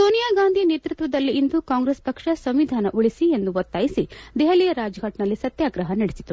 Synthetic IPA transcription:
soːnijaːɡaːnd̪ʱineːt̪ɾut̪ʋɐd̪ɐlːiːnd̪ukaːŋɡɾespɐkʂɐsɐmʋid̪ʱaːnɐʔuɭisie̞nd̪uʋot̪ːaːjisid̪ɛɦɐlijɐɾaːd͡ʒɐɡʱɐʈnɐlːisɐt̪jaːɡɾɐɦɐnɐɽesit̪u

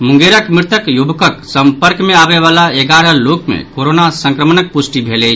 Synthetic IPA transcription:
muŋɡeɾəkmɾit̪əkjubʱəkəksəmpəɾkmeabeβalaeɡaɾəlokmḛkkoɾonasə̃ŋkɾəmənək̚pusʈibʱelɛt͡ʃ

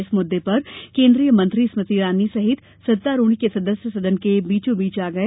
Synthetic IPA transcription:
ɪsmʊd̪ːepɐɾkẽːnd̪ɾijəmɐ̃nt̪ɾismɪt̪iɾaːnːisɐɦɪt̪ | sɐt̪ːaɾoːɽ̃ikesɐd̪əsjəsɐd̪ənkebiːt͡ʃõbiːt͡ʃaːɡɐeː

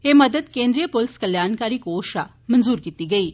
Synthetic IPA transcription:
emɐd̪əd̪kẽːnd̪ɾijəpolɪskɐljaːnkaːɾiːkoːʃa̰ | mɐnzuːɾkiːt̪iːɡɐiː

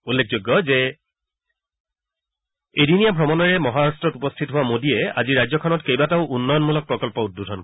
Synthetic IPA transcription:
ulːekʰzoɡːɔzɛ | ejdinijabʱɹɔmɔnɔɹɛmɔɦaɹastɹɔtupɔstʰitɦʊwamodiɛa̰ziɹajzɔkʰɔnɔtkejbataʊʔunːɔjɔnmulɔk̚pɹɔkɔlpɔududʱɔn

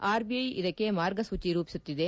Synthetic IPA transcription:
aːɾbiɐjid̪ɐkːemaːɾɡɐsʋut͡ʃiɾuːpi̥sut̪ːid̪e̞

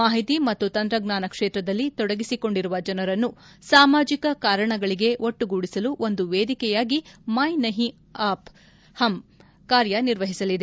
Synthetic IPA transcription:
maːɦit̪imɐt̪ːut̪ɐnd̪ɾɐɡnaːnɐkʂeːt̪ɾɐd̪ɐlːit̪ɔɽɐɡisiko̞ɳɖiɾuʋɐd͡ʒɐnɐɾɐnːu | saːmaːd͡ʒikɐkaːɾɐɳɐɡɐɭiɡe̞ʔoʈːuɡuːɽisɐluʔo̞nd̪uʋeːd̪ikɛjaːɡimɐjnɐɦi | aːp | hɐm | kaːɾjɐniɾʋɐɦisɐlid̪e

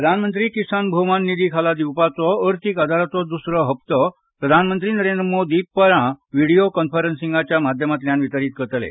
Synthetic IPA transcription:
ɾəd̪ʱanmənt̪ɾiːkisanbʱomanːid̪iːkʰalad̪iwpat͡sɔəɾt̪ʰikad̪ʱaɾat͡sɔd̪usɾəɦəp̚t̪ɔ | pɾəd̪ʱanmənt̪ɾiːnəɾẽnd̪ɾəmod̪ʱiːpəɾãʋiɽijokənfəɾənsĩŋɡat͡ɕjamad̪ʱjəmat̪ljanʋit̪əɾiːt̪̚kəɾt̪lḛ

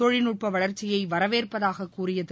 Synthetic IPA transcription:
ɔɻɪnʊʈpɐʋɐɭɐɾt͡ʃːɪjɐɪʋɐɾɐʋeːrpɐðaːɣɐkːuːrɪjɐð

